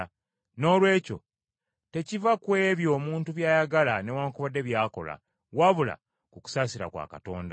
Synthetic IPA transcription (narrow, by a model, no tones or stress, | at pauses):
no̞ːlwe̞ːco̞̰ | te̞civakwe̞ːβjo̞ːmuːntuβjaːjaɡalane̞waːŋkuβadːe̞βjaːko̞̰la̰ | waβula̰ | kuku̥saːsiɾa̰kwa̰ːkato̞̰ːnda